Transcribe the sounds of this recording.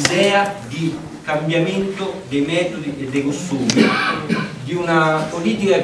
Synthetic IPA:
d̪ɛːad̪i | kambjamɛnt̪od̪ɛjmɛːt̪od̪iɛd̪ːekost̪uːmi | d̪iunapoliːt̪ika

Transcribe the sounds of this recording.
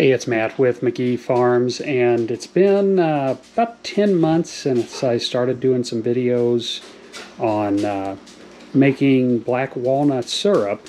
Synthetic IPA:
eɪɨtsmæt̚wɪðmɨɡifɑɹmzɨ̃nɨtsb̥ɪ̃nb̥aʊtʰɛ̃nmʌ̃nθsɨ̃nɨtsaɪstɑɹɾɨdʉɪ̃ŋsʌ̃ɱvɪɾioʊz | n̩ | meɪkɪ̃ŋblækwɔlˠnətsɜ˞ɨp̚

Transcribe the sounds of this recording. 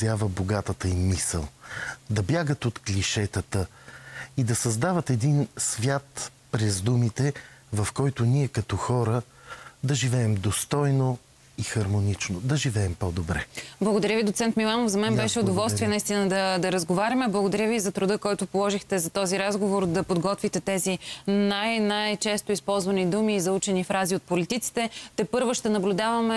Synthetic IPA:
zjavəboɡat̪ət̪əimisə̰lˠd̪ɐbjaɡət̪ot̪klʲiʃɛt̪ət̪ə | id̪ɐsɐzd̪avət̪ɛd̪insvʲjat̪ | pɾɛzd̪umit̪ɛvɐfkɔjt̪ʊniɛkɐt̪ɔxɔɾə | d̪ɐʒivɛːmd̪ost̪ɔjno | ixɐɾmonit͡ʃnod̪ɐʒivɛːmpɔd̪obɾɛblˠɐɡod̪ɐɾjəvid̪ot̪sɛnt̪milˠanofzɐmɛnbɛʃɛod̪ovɔlˠst̪viɛnɐist̪inəd̪ɐd̪ɐɾəzɡovaɾʲɐmɛblˠɐɡod̪ɐɾʲəvizɐt̪ɾʊd̪ɤkɔjt̪ʊpolˠɔʒixt̪ɛzɐt̪ɔziɾazɡovoɾd̪ɐpod̪ɡɔt̪vit̪ɛt̪ɛzinajnajt͡ʃɛst̪ʊispɔlˠzvɐnid̪umiːzɐut͡ʃɛnifɾaziot̪̚polit̪it̪si̥t̪ɛt̪ɛpɤɾvoʃt̪ɛnɐblʲʊd̪avɐmɛ

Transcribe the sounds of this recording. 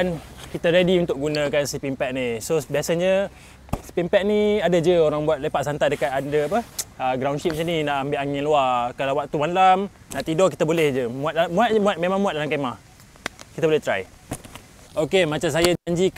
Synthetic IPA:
ankit̪aɾediunt̪ʊk̚ɡunə̃kansipimpɛʔ̚nisobiasəɲə | si̥pimpɛʔ̚niadad͡ʒəoɾaŋbuat̪̚lepaʔsant̪adəkat̪adəapəəɡɾawnʃitp̚ɲaninaʔambɪʔaŋĩnluakalawak̚t̪umanlam | naʔt̪idɔkit̪əbolɛhd͡ʒəmũat̪̚damũat̪̚muat̪̚memãŋmːũat̪̚dalamkemah | kit̪abolɛht̪ɾaj | okemat͡ʃams̬ajaaɲd͡ʒik

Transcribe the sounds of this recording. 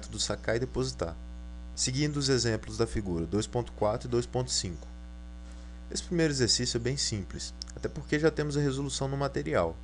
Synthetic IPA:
t̪ʊd̪ʊsakaɪd̪epozit̪a̰ɾ | sɪɡĩnd̪ʊːzezẽmplʊzd̪ɐfiɡuɾɐd̪ojspõnt̪ʊ̥kwat̪ɾʊɪd̪ojspõt̪ʊ̥sĩkʊ̥ | esɪ̥pɾimejɾʊezeɾsisjʊɛbẽj̃sĩplɪsat̪ɛpoɾkeʒat̪ẽmʊzɐɦezolusɐ̃w̃nʊmat̪eɾiaw

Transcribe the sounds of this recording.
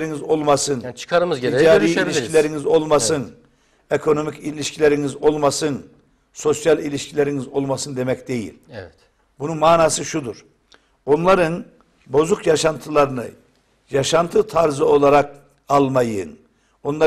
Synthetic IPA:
ɾinizo̞lˠmasɯnt͡ʃʰɯ̥kʰaɾɯmɯzeid͡ʒaːɾiilʲiʃcʰilʲeɾinizo̞lˠmasɯn | e̞kʰo̞no̞micilʲiʃcʰilʲeɾinizo̞lˠmasɯn | so̞sjalʲilʲiʃcʰilʲeɾinizo̞lˠmasɯnd̪e̞mɛcd̪e̞jḭlʲɛɛt̪ | bununmaːnaːsɯʃud̪uɾ̥ | o̞nlˠaɾɯn | bo̞zukjaʃant̪ʰɯlˠaɾɯnɯ̰ | jaʃant̪ʰɯt̪ʰaɾzɯo̞lˠaɾak̚ | alˠmajɯ̰n | o̞nlˠa

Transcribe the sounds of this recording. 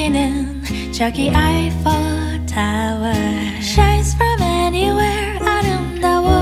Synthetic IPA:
nɪn | d͡ʒ̥ʌkiʔaɪfɔ | tʰaə˞ | ʃaɪ̃z̥fɹʌ̃mɛniwɛɹ | aɪɾõõʊ̃nːoʊwə

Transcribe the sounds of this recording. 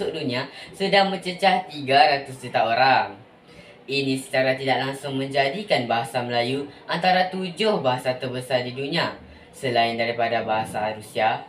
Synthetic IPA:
ʊʔduniasədaŋmə̃ɲt͡ʃət͡ʃaht̪iɡaɾat̪ʊst̪ut̪aoɾaŋ | inĩsə̥t͡ʃaɾat̪idaʔlaŋsʊŋmə̃ɲd͡ʒadikanbaɦasaməlajuʔant̪aɾat̪ud͡ʒʊhbaɦasat̪ərbəsardidunia | səlaɪndaɾipadabaɦasaɾusia

